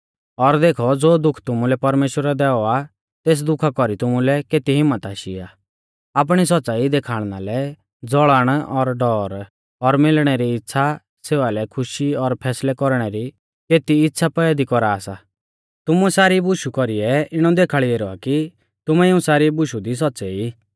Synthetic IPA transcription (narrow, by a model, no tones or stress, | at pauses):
ɔɾd̪eːkʰɔd͡zoːd̪ʊkʰt̪ʊmulɛpɐɾmeːʃwəɾad̪ɛːɔa | t̪eːs̬d̪ʊkʰakɔɾit̪ʊmulɛkeːt̪iɦɪmːət̪aːʃḭa̰ | aːp̬ɽ̃is̬ɔtːt͡saːid̪eːkʰaːɽ̃nalɛ | d͡zɔɭəɽ̃ɔɾɖɔːɾ | ɔɾmɪlɽ̃ɛɾiɪtːsʰa | seːʋalɛkʰʊʃiɔɾpʰɛːslɛkɔɾɽ̃ɛɾi | keːt̪iɪtːsʰapɛad̪ikɔɾaːsa | t̪ʊmuɛsaːɾibʊʃukɔɾiɛɪɽ̃ɔd̪eːkʰaɭieːɾɔa̰ki | t̪ʊmɛɪũsaːɾibʊʃud̪is̬ɔtːsɛi